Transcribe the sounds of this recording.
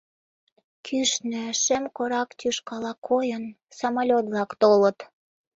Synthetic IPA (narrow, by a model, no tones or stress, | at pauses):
kʰyʃnøʃemkoɾɑkt̪ʲyʃkɑlɑkʰojən | sɑmɑlʲot̪βlɑkt̪olə̆t̪